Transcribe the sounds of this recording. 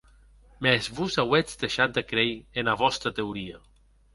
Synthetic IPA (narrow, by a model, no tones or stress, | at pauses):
mɛzβuzawed͡zd̪eʃat̪̚d̪ekɾejenaβɔst̪ɾat̪euɾia